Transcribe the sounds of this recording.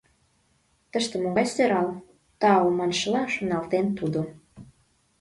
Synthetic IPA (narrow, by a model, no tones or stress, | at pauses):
t̪ə̆ʃt̪ĕmoɣɑjseɾɑl | t̪ɑomɑnʃəlɑʃonɑlt̪ent̪ud̪o